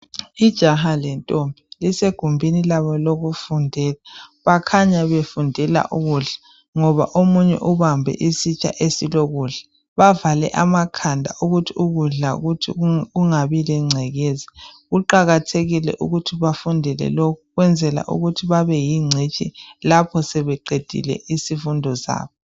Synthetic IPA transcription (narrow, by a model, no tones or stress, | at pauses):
id̥ʒ̥ʱaɦalɛntʼombʱiliseɡ̥ʱumbʱinilaβɔloɣufundʱɛːlaβakʰaɲaβefundʱɛla̰ʔuɣuɮḁ | ŋɔβa̰ʔomuɲɛ̰ʔuβambʱɛ̰ʔisit͡ʃʼa̰ʔesiloɣuːɮɛ̥ | βavalɛ̰ʔamakʰandʱaʔuɣutʰiuɣuɮa̰ɣutʰiuŋaβilɛŋ͡ǀʱɛɣɛzɛɣuǃaɣatʰeɣilɛ̰ʔṵɣutʰiβafundʱɛlɛ̰lokʰuɣwɛnd͡zʱɛla̰ʔṵɣutʰiβaβɛjiŋ͡ǀʱet͡ʃʼilapʰɔsɛβɛǃed̥ʱḭlɛ̰ʔisifundʱɔsa̰ːβɔ